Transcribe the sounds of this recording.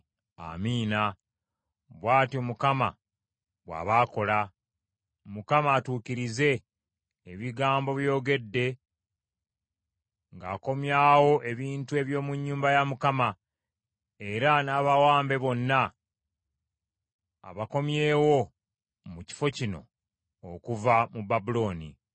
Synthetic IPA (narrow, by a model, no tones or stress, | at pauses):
a̰miːna | βwaːtiomukama̰ | βwa̰ːβaːko̞la | mukamaːtuːciɾize̞ː | βiɡaːmbo̞βjo̞ːɡe̞dːe̞ | ŋɡaːko̞mjawo̞ʔe̞βiːntue̞βjo̞ːmuɲːuːmbajamukama | e̞ɾanaːβawaːmbe̞βo̞nːa | a̰βako̞mje̞ːwo̞ | muci̥fo̞cino̞̰ | okuvamubabulo̞ːnḭ